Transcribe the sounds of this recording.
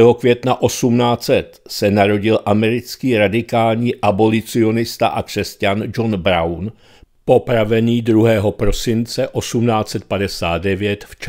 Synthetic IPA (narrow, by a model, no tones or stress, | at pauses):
ɛɦo̞kvjɛt̪naʔo̞sumnaːt͡sɛt̪sɛnaɾo̞ɟɪlʔamɛɾɪt͡skiːɾadɪkaːlɲiːʔabo̞lɪt͡sɪo̞nɪst̪a̰ʔakr̝̥ɛscand͡ʒo̞nbɾawn | po̞pɾavɛniːd̪ɾuɦɛːɦopɾo̞sɪnt͡sɛʔo̞sumnaːt͡sɛt̪̚padɛsaːd̪̚dɛvjɛt̪ft͡ʃ